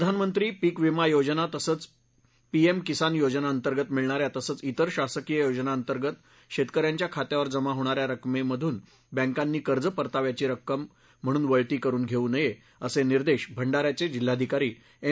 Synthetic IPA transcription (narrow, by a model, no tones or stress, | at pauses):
pəd̪ʱanmənt̪ɾiːpiːkʋimajod͡zənat̪əsəːt͡s | piemkisanjod͡ʑnaənt̪əɾɡət̪miɭɳ̃aɾjat̪əsəːt͡sit̪əɾɕasəkijəjod͡znaənt̪əɾɡət̪ | ɕet̪kəɾjaɲt͡ɕjakʰat̪jaʋəɾd͡zəmaɦoɽ̃aɾjaɾəkmeməd̪ʱuːn | bɛ̃ŋkanːiːkəɾd͡zəpəɾt̪aʋjat͡ɕiːɾəkːəm̤ː | əɽ̃uːnʋəɭʈ̪iːkəɾuːnɡʱeunəje | əseniɾd̪eɕbʱəɳɖaɾjat͡sed͡ʑil̤ːad̪ʱikaɾiː | e